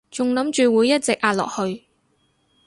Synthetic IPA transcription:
t͡sʊ˨ŋlɐ˨˥mt͡ʃyː˨wuː˨˧jːɐ˥t̚t͡sɪ˨k̚ʔaː˧t̚lɔ̰ː˨˩k̚hɵ˧ɥ

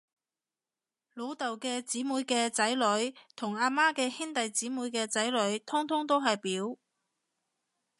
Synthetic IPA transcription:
lo˨˧wt̪ɐ˨wkɛː˧t͡siː˨˥muː˨˧jkɛː˧t͡sɐ˨˥jlɵ˨˧˥ɥt̪ʰʊ˨˩ŋaː˧maː˥kɛː˧hiː˥nt̪ɐ˨jt͡siː˨˥muː˨˧˥jkɛː˧t͡sɐ˨˥jlɵ˨˧˥ɥt̪ʰʊ˥ŋt̪ʰʊ˥ŋt̪o˥wɦɐ˨jpiː˨˥w

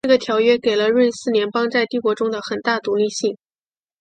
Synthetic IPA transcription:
ɤ˥˩ɡə˩t̪ʰjɑ˧˥ʊɥɛ˥ke˨˩ɪlə˦ɻə˥˧nsɹ̩˥˩njɛ˧˥npɑ˥ŋt͡sa˥˧ɪt̪i˥˩kwɔ˧˥ʈ͡ʂʊ˥ŋd̪ə˨xə˨˩nt̪a˥˩t̪u˧˥li˥˧ɕi˥˩ŋ

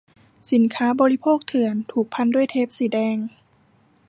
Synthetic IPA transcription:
si˩˦nkʰaː˦˥bɔː˧li˦˥pʰoː˥˩k̚t̪ʰɯ˨˩˦ənt̪ʰuː˨˩k̚pʰa˧˥˨ndu˥˩əjt̪ʰeː˦˥˩p̚siː˨˩˦dɛː˧˩ŋ

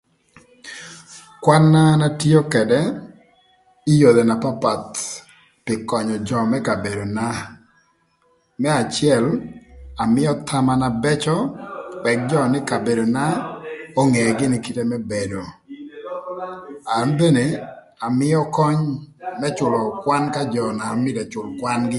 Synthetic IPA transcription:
kwa˦nːa˦na˦ti˦o˦kɛ˨dɛ˦ | i˦jo˨d̪e˨na˨pa˦pa˨t̪ | pɪ˨kɔ˨ɲɔ˨d͡ʒɔ˨mɛ˦ka˨be˨do˨na˦ | mɛ˦a˨t͡ʃɪɛ˦la˨mɪ˦ɔ˦t̪ʰa˦ma˦na˨bɛ˦t͡ʃɔ˦wɛ˨k̚d͡ʒɔ˦nɪ˦ka˨be˨do˨na˦o˦ŋe˨ɡɪ˦nɪ˦ki˦te˦mɛ˦be˨do˨ | a˨nbe˦ne˨ | a˨mɪ˦jɔ˦kɔ˦ɲmɛ˦t͡ʃʊ˨lɔ˨kwa˦nka˦d͡ʒɔ˨na˨mɪ˦dɛ˨t͡ʃʊ˨lkwa˦nɡɪ˦

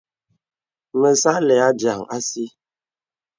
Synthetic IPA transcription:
mə˨sa˦lɛ˨a˦d͡ʒa˨ŋa˦si˦

